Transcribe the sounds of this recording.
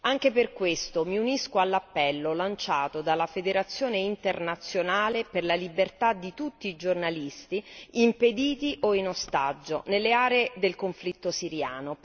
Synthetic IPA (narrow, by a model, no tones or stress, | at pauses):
aŋk̟eperkwest̪omiuniskoalːapːɛlːolant͡ʃaːt̪od̪alafed̪eɾat̪sːjoːneint̪ernat̪sːjonaːleperlalibert̪ad̪ːit̪ut̪ːiːd͡ʒornalist̪iimped̪iːt̪iʔoinost̪ad͡ʒːonelːeaːɾeːd̪elkoɱflit̪ːosiɾjaːno